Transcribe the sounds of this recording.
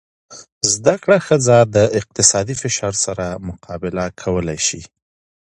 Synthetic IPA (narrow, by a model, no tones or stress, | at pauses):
zd̪akɽaxəd͡zad̪əɪq̚t̪ɪsɑd̪ifɪʃɑɾsaɾamʊqʰɑbɪlakʰawəlajʃi